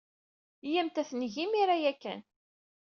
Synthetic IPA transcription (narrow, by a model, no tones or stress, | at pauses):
jæmt̪æθnʝimiɾajækːæ̰n